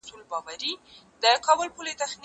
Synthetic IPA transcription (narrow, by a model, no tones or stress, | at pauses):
sulbɑwaɾi | d̪əkɑbəlpulet̪axn